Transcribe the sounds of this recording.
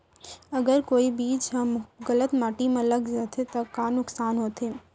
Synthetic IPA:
ɐɡəɾkoːibiːt͡ʃɦɐ̃mɡɐlət̪maːʈimãlɐɡd͡ʒat̪ʰet̪ɐkaːnʊksaːnɦoːt̪ʰeː

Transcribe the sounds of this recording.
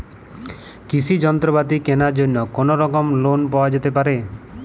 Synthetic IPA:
kisʰid͡ʒɔnt̪ɾɔbat̪ikenaɾd͡ʒonːɔkonoɾɔkɔmlonpɔwad͡ʒet̪epaɾe

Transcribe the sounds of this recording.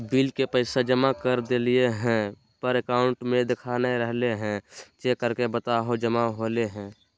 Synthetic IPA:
biːlkepəɪsad͡ʒəmakəɾd̪elieɦɛ̃ | pəɾəkaːʊɳʈmẽd̪ɪkʰaneɾəɦleɦɛ̃t͡ʃekːəɾkebət̪aɦod͡ʒəmaɦoːleɦɛ̃ː

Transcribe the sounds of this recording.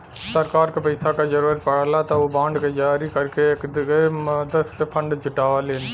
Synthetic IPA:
sɐɾkaːɾkɨpɐjsaːkɐd͡ʒɐɾɐlpɐɽɐlaːt̪ɐuːbaːɳɖkɐd͡ʒaːɾikɐɾkekd̪keɐd̪ɐspʰɐɳɖɨd͡ʒɪʈːaːʋɐlend̪

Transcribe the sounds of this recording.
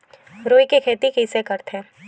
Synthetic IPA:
ɾoːikekʰeːt̪ikisekɐɾt̪ɛ̃ː

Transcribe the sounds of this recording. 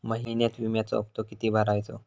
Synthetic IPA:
məɦinjat̪ʋimjat͡sɔ̰əp̚t̪okit̪iːbʱəɾajt͡so̰

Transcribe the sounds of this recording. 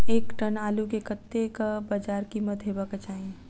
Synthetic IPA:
eːkʈənaːlukekət̪ːekabad͡ʒaːɾkimət̪ɦebakat͡ʃaːi

